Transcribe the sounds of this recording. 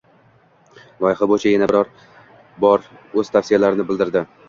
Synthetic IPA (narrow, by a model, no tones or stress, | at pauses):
lˠɒjɪhabojt͡ʃʰajanabɪɾɒɾ | bɒɾɵz̥t̪ʰafsɪjalaɾɪnɪbɪld̪ɪɾd̪ɪ